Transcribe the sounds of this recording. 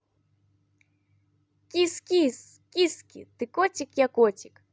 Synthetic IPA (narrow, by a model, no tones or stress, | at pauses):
kʲiskʲis | kʲiskʲḭt̪ɨkoɔtʲɪkjakotʲɪ̥k